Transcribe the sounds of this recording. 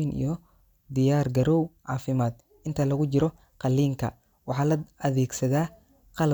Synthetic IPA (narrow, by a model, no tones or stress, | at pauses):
inʔḭjɔ | d̪ɪjaːrɡɐɾɔwʕɑːfɪmaːd̪̚ | ʔɪnt̪ʰɐlɐɣʊt͡ʃɪɾɔ | qɑlːiːŋkʰɐ̰ | wɑħɑːlɐɐðɛːɡsɐðaː | qɑl